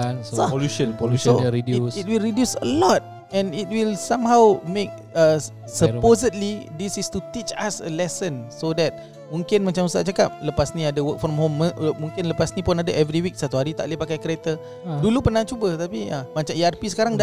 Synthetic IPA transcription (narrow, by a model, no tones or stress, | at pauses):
saoluʃənpoluʃoidusit̚wilɹidjusə̰lɔt̚ | ɛ̃nit̚wilsãmɦawmẽk̚ | ə | səpozədlidisist̪ut̪it͡ʃa̰sə̰lɛsə̃nsodɛt̪̚ | mũŋkɪnmat͡ʃamust̪a̰ʔt͡ʃakap̚ləpasniadəwək̚fɾɔmhoməmũŋkɪnləpasnipʊnadəʔɛvɾiwik̚sat̪uɦaɾit̪a̰ʔlepakajkəɾet̪ə | dulupərnat͡ʃubət̪apiamat͡ʃamiarpisə̥kaɾaŋda